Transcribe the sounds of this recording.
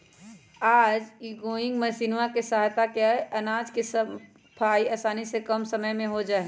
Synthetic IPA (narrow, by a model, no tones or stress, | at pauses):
aːd͡ʒiɡoːɪ̃ŋɡməsiːnwakesaɦt̪akeɐnaːd͡ʒkes | pʰaːiaːsaːnisekəmsəməjmẽɦod͡ʒaːɦe